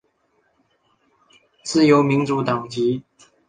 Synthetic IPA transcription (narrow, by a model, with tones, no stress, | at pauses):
t͡sɹ̩˥˩jo˧˥ʊmi˧˥ŋʈ͡ʂu˧˥t̪ɑ˨˩ŋt͡ɕi˧˥